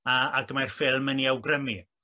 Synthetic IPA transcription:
əaɡəmajrfɪlˠməniawɡrəmi

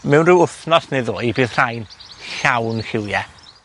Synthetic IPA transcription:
mɛwnrɪwʊθnɔsneðoːjbiːðr̥ajnɬawnhɪwjɛ

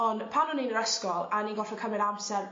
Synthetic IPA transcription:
ɔnpʰanɔninəɾɛskɔlˠaniːnɡɔfɔkʰəmɪdamsɛɾ

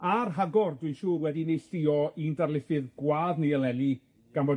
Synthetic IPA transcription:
arɦaɡɔrdwɨʃuːrwɛdinejɬɪɔindarlˠɪfɨðɡwaːðniəlˠɛli | ɡ̥anvɔ

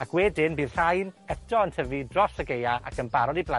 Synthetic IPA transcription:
akʰwɛdɪnbiːð̥r̥ajnɛtʰɔəntʰəvidrɔsəɡejaa̰kʰənbaɾɔdiblˠa

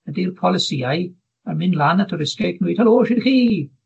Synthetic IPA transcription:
ədirpʰɔlˠɪsiaj | əmɪnlanətʰɔɾɪskeknwiːd̥̚haloːʃɪdxiː

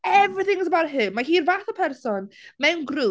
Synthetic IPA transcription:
ɛvrɪθɪ̃ŋəsəbaɾɦɨmaɦiːrvaːθɔpʰɛrsɔnmɛwnɡru

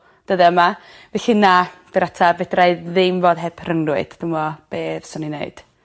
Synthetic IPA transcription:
d̥əðɛəma | vɛɬɨnab̥ɛɾatʰavɛdraɨðɪmvoːðɦɛbʰrəŋrʊɨd̥d̥ɪŋvɔb̥eːð̥sɔninḛɨd̥

